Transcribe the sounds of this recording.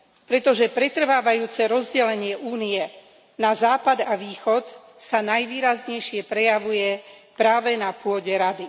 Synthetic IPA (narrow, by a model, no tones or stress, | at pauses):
pɾɛt̪ɔʒɛpɾɛt̪r̩ʋaːʋajuːt͡sɛɾɔzɟɛlɛɲɪɛʔuːnijɛ | nazaːpad̪aʋiːxɔt̪ | sanajʋiːɾazɲɛjʃɪɛpɾɛjaʋujɛpɾaːʋɛnapʊɔɟɛɾad̪i